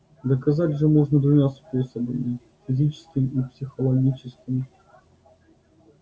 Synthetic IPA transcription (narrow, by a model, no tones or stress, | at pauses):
d̪əkɐzatʲʐəmoʐnəd̪vʊmʲasposəbəmʲɪ | fʲɪzʲit͡ɕɪ̥skʲɪmipsʲɪxəlˠɐɡʲit͡ɕɪskʲɪm